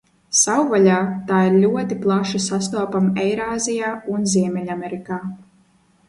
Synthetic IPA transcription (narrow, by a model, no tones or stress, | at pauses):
sawvalʲaːt̪aːiɾlʲuɔt̪iplˠaʃasast̪uɔpamɛjɾaːzijaːunziɛmʲɛlʲamʲɛɾikaː